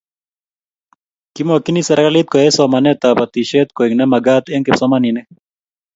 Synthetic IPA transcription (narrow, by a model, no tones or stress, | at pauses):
kimokinisɐɾkalit̪̚koesomanet̪abɐt̪iʃeːt̪̚koiŋnemɐɡaːt̪eŋkepsomanine